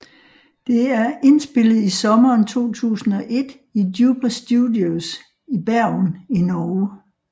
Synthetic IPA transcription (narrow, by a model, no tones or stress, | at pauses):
d̥e̝æɐe̝nsb̥e̝l̰əð̞̩ˠisɒ̽mɐːnt͡sʰo̝̰ːt͡sʰṵːsn̩ɒ̽ʔe̝d̥ | idjuːb̥ɐsd̥judios | ib̥æɐ̰ninɒːʊ